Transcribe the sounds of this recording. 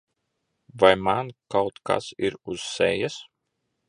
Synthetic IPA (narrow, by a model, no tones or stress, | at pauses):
vajmankawt̪ka̰siɾuz̥ːɛ̰jas